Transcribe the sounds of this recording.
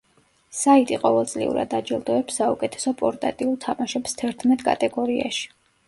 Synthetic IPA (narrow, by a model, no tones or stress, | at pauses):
sait̪ʼiqʼɔvɛlˠt̪sʼlḭṵɾa̰d̪ad͡ʒɛlˠd̪ɔɛpsːaukʼɛt̪ʰɛ̥sɔpʼɔɾt̪ʼa̰t̪ʼiulˠt̪ʰamaʃɛpst̪ʰɛɾt̪ʰmɛt̪ʼkʼa̰t̪ʼɛɡɔɾia̰ʃi̥